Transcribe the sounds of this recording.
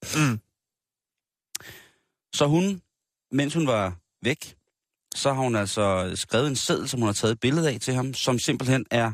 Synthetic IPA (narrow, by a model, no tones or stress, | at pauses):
sɒ̽ɦun | men̰shunʋɑ̈ | ʋeɡ̥ | sɒ̽ɦɑ̈hunæl̰sɒ̽sɡ̥ʁɛːʊðˠenseð̰ˠl̩ˠsɒ̽mhunhɑ̈t͡sʰɛ̰ːð̩ˠb̥e̝ləð̞̩ˠɛt͡sʰe̝ɦɑ̈msɒ̽mse̝mb̥l̩hen̰æɐ